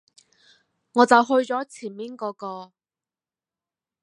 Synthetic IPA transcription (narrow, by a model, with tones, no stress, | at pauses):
ŋɔː˨˧t͡sɐ˨wɦɵ˧ɥt͡sɔː˨˥t͡sʰiː˨˩nmiː˨˥nkɔː˨˧kɔː˧